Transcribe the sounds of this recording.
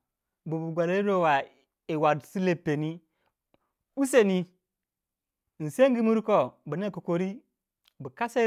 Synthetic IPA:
bu˨bu˨ɡʷa˨le˦i˦ɾo˦˨wa˨ | i˨wa˨dsi˦le˦˨pːe˨ni˦ | u˦se˨ni˦˨ | n̩˨se˦ŋ˦ɡi˦mu˦ɾko˦bu˨ne˦ko˨ko˨ɾi˦ | bə˨ka˦se˦

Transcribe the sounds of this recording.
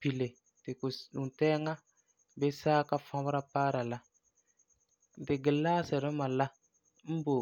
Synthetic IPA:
pi˨le˨ | tɪ˨ku˨tɛ˦ŋa˦ | be˦saː˦ka˦fã˦bɾa˦paː˦ɾa˨la˦˨ | dɪ˨ɡɪ˨laː˦sɛ˨ɾɪ˦ma˨la˦ | m̩˦bo˨

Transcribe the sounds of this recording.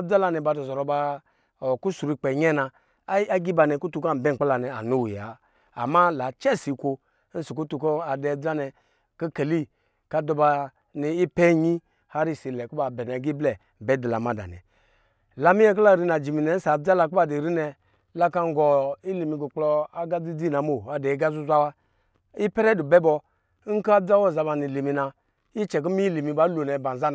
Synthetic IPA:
d͡za˦la˧nɛ˨ba˧˨dɔ˨zɔ˨ɾɔ˧˦ba˧˨ | ku˦su˨ɾi˧k͡pɛ˨ɲɛ˦na˧˦ | a˦ɡi˦ba˧nɛ˨ku˦tu˧˦ka˦m̩˨bɛ˦˨k͡pa˦la˨nɛ˨a̰˨nu˦wja̰ː˨˦˨ | ma˦la˨t͡ʃɛ˦si˨kʷo˧˦ | n̩˦su˨ku˦tu˧kɔ˦a˨dɛ˨d͡za˦nɛ˧ | ki˦ke˨li˦ | ka˦dɔ˧ba˧ | ni˨i˦pɛ˦ɲi˦ | ha˦ɾi˦˨si˨lɛ˨ku˦ba˨bɛ˨n˨a˨ɡi˦blɛ˨bɛ˨˦di˨la̰˨ma˦da̰˨nɛ̰˨ | la˨mi˦jɛ˦k̬u˦la˦˨ɾi˦na˨d͡ʒi˨mi˨nɛ˨n̩˦sa˨d͡za˦la˧ku˦ba˦˨di˨ɾi˦nɛ˨ | la˦ka˦ŋ˦ɡɔ˨i˦li˨mi˨ɡu˨k͡plɔ˧a˦ɡa˦d͡zi˦d͡zi˦˨na˨mo˨a˨dɛ˨i˦ɡa˦zu˦zʷa˦wa˦ | i˦pɛ˦ɾɛ˦du˨bɛ˦bɔ˧˦ | ŋ̩˦kd͡za˦wɔ˦˨za˧ba˨ni˨li˨mi˨na˨ | i˦t͡ʃɛ˨k̬i˦mi˦li˨mi˨ba˦lo˨nɛ˨ba˨nza˦n˨

